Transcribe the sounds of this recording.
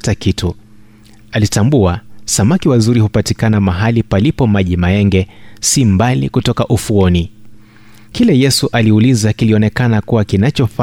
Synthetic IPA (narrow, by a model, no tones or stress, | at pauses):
takitʰu | alitambuasamakiwazuɾihupatikanamaɦalipalipɔmaʄimaɛŋɡɛsimbalikutɔkaʔufuɔni | kilɛjɛsuʔaliulizakiliɔnɛkanakuwakinat͡ʃɔfa